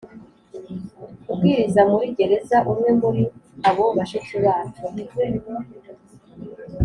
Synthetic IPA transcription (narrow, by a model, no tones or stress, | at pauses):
uɡɡwiɾizamuɾiɟe̞ɾe̞zaʔumwe̞muɾiaβoβaʃet͡suβaːtoniɾɡen